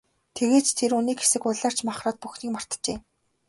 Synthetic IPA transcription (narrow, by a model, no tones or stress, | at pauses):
t̪ʰeɣeːt͡ɕt̪ʰeɾuniːkxe̥sɘ̆kʊɮaːr̥t͡ɕmaχraːt̪̚puxniːk̚mar̥t̪t͡ɕeː